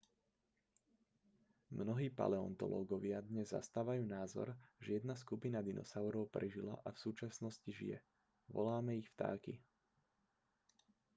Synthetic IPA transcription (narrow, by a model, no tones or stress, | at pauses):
mnɔɦiːpa̰lɛɔ̰nt̪ɔ̰lɔ̰ːɡɔʋɪad̪ɲɛzːa̰st̪aːʋajuːnaːzɔ̰ɾʒɛjɛd̪naskupinad̪inɔ̰saʊɾɔʊpɾɛʒila̰ʔafsuːt͡ʃasnɔsciʒḭjɛ̰ | ʋɔ̰laːmɛixft̪a̰ːkḭ